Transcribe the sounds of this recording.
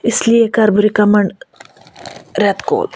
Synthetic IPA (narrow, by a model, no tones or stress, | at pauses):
ɪslijekɐɾbʊɾikɐməɳɖ | ɾɛt̪ko̰ːl